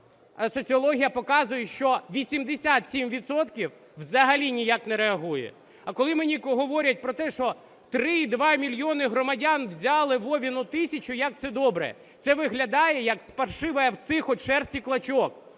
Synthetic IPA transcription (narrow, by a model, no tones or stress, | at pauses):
sɔt͡sʲiɔlˠɔɦʲijɐpɔkɑzʊjɛʃt͡ʃɔʋʲisʲimd̪esʲat̪sʲimʋʲit̪sɔt̪kʲiw | ʋzɐɦɐlʲinʲijaknɛɾeɐɦujɛ̰ | ɐkɔlˠɪmenʲikɦɔʋɔɾʲɐt̚ʲpɾɔt̪ɛʃɔ | t̪ɾɪd̪ʋɑmʲilʲjɔnɪɦɾɔmɐdʲanwzʲɑlˠɪʋɔʋʲinʊt̪ɪsʲɐt͡ʃʊjɐk̚t̪sɛd̪ɔbɾɛ̰ | t̪sɛʋɪɦlʲɐd̪ɑjɛjɐkspɐrʃɪʋɐjɐwt̪sɪxɔtʲʃɛrsʲtʲiklˠɐt͡ʃɔk